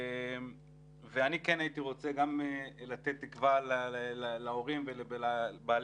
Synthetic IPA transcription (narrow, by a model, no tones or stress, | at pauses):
m | veanikenait̪iʁo̞t͡seɡamelat̪et̪ːikvalallaoʁimvelebelabaːl